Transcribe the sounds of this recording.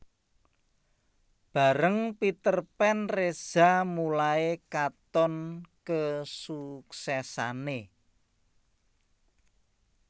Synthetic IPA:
b̥a̤ɾəŋpit̪ərpɛnrez̥amulaekat̪ɔnkəsuksɛsane

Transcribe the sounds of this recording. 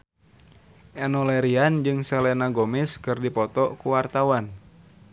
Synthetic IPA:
ʔɛnɔlɛɾiand͡ʒɨŋsɛlɛnaɡomɪskɨrdipɔt̪ɔkuwart̪awan

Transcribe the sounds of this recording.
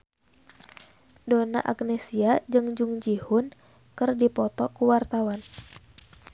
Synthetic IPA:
dona̰ʔak̚nɛsiad͡ʒɨŋd͡ʒuŋd͡ʒihʊn | kɨrdipɔt̪ɔkuwart̪awan

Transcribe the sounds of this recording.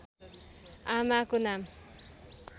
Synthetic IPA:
amakonam

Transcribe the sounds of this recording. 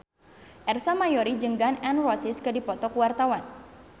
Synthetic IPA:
ʔɛrsamajɔɾid͡ʒəŋɡanɛnrɔsiskɨdipɔt̪ɔkuwart̪awan

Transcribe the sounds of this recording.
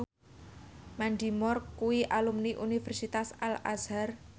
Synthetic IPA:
manɖimɔrkuwiʔalumniʔunifɛrsit̪asala̰zar

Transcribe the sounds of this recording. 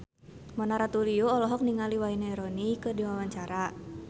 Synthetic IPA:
mɔnaɾat̪uliuɔlɔɦɔk̚niŋaliwaineɾɔnikɨdiwawaɲt͡ʃaɾa

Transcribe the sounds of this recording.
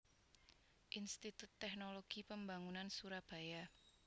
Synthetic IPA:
ʔinst̪it̪ut̪ːɛhnoloɡ̥ipəmbaŋunansuɾab̥a̤ja

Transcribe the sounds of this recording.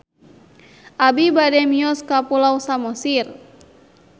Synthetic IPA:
ʔabibadɛmiɔskapulawsamɔsir

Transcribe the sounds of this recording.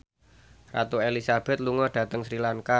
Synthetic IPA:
ra̰t̪uelisab̥ɛ̤t̪̚luŋɔɖ̥ä̤t̪əŋsɾilaŋka

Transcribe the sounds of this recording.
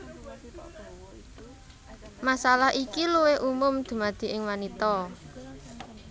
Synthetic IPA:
masalaɦʔikiluweʔumʊmd̪̥ṳmad̪̥i̤ʔɪŋwanit̪ɔ

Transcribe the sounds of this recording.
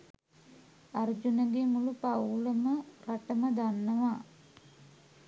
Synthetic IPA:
ard͡ʒunəɡemulupawləməraʈəməd̪anːəʋaː

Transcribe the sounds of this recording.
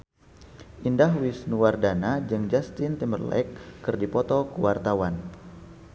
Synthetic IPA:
ʔindaɦwisnuwardanad͡ʒɨŋd͡ʒast̪ɪnt̪imərla̰jkːɨrdipɔt̪ɔkəwart̪awan

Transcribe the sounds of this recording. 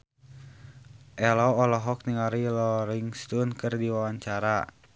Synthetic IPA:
ʔɛlɔɔlɔɦɔk̚niŋaɾilɔɾiŋst̪ɔnkɨrdiwawaɲt͡ʃaɾa

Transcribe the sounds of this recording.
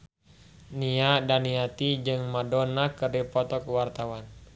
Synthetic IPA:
niadaniat̪id͡ʒɨŋmadɔnakəripɔt̪ɔkuwart̪awan

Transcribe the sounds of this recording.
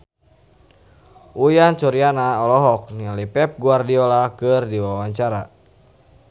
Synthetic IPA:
ujant͡ʃuɾianaɔlɔɦɔk̚nialipɛp̚ɡuardiɔlakɨrdiwawaɲt͡ʃaɾa

